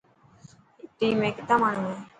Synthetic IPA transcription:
ʈiːmẽːkɪt̪aːmaːɳũːeː

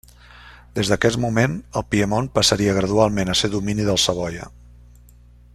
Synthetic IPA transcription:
d̪ezðəkɛmumenəlˠpiəmonpəsəɾiəɣ̞ɾəðualˠmenəseðuminiðəlˠsəβ̞ɔjə̰

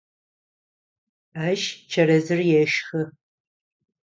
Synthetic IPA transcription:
aːʃt͡ʃʰɐɾɐzɨrjɛʃxɨ

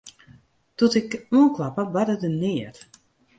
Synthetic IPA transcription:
tutɪkuənklapəbadədənɪət

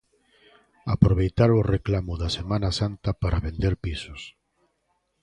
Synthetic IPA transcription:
apɾoβejt̪aɾʊreklamʊðɐsemãnasant̪ɐpaɾaβend̪eɾpisʊs

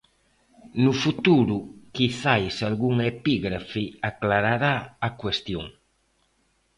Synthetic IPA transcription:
nufut̪uɾukiθajsalɡuŋepiɡɾafiaklaɾaɾaːkwest̪jṵŋ

